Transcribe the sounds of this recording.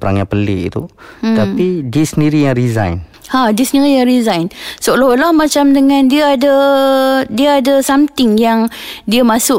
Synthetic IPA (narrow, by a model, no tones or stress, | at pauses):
pəɾa̰ŋjapəlḭʔḭt̪ṵt̪apidisəniɾijaŋɾiza̰jn | hadisniɾijaŋrizajnsolɔlahmat͡ʃamdəŋãndiəadə | diəadəsamt̪ɪŋjaŋdiəmasʊʔ